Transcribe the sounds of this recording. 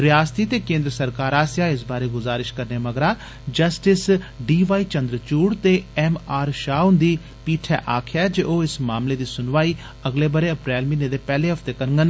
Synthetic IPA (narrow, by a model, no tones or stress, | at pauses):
ɾɪjaːst̪iːt̪eːkẽːnd̪ɾəsəɾkaːɾaːsjaːɪs̬baːɾeːɡʊzaːɾɪʃkəɾneːməɡɾaː | d͡ʒəsʈɪsɖiːʋaːiːt͡ʃənd̪ɾət͡ʃuːɽt̪eːɛːmaːɾʃaːʊnd̪iː | piːʈʰɛːʔaːkʰjaːd͡ʒeːʔoːɪsmaːmleːd̪iːsʊnʋaːiː | əɡleːbəɾeːəpɾɛːlmɪ̃ːnːeːd̪eːpɛːleːɦəpʰt̪eːkəɾəŋɡən